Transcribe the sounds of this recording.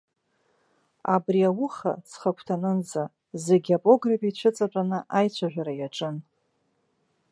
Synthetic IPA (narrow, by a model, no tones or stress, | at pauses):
a̰briawʊχa̰t͡sʰχakʷʰtʰanɨnd͡za | zeɡʲapʼo̞ɡrapʼit͡ʃʷʰʊt͡sʼat͡pʷʼanɨʔajt͡ɕʷʰaʒᶣʷaɾajaʈ͡ʂʼɨn